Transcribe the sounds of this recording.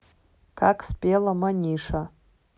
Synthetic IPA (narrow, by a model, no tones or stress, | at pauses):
kʰakʰʼspʼelamanʲiʂa